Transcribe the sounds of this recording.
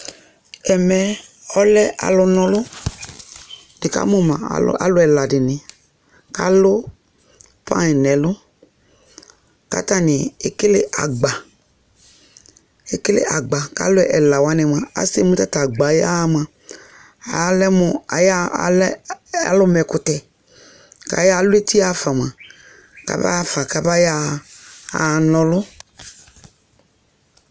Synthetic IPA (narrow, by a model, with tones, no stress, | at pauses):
ɛ˨mɛ˨ɔ˦lɛ˦ʔa̰˨lʊ˧nɔ̃˧lʊ˦ | nɪ˨ka̰˦mõ˦mã̰˨l̰a̰˨lʊ˦ɛ˨la˨dɪ˨nɪ˨ | ka˦lʊ˦ | pã̰˦i˨nɛ˨lʊ˦ | ka̰˦ta˦nɪ˨e˨kɪ˦lɪ˦ʔa̰˨ɡ͡ba˨ | e˨kɪ˦lɪ̰˦ʔa˨ɡ͡ba˨ka̰˦lʊ˦ɛ˦ʔɛ˨la˨wa˦nɛ˨m˨ã˨a̰˨se˦˨mũ˦t̪a˦t̪a˨ɡ͡ba˨ja˦mã˨ | a̰˨˦lɛ˦mʊ˦a˨ja˦˨la̰˦lʊ˦mɛ˨kʊ˦t̪ɛ˨ | ka̰˨ja˦˨lʊ˦e˦t̪ʰi˦a˦fa˨m˨ã˨ | ka̰˨ba̰˦fa˨ka˨ba˦ja˦ | a˨nɔ̃˨lʊ˦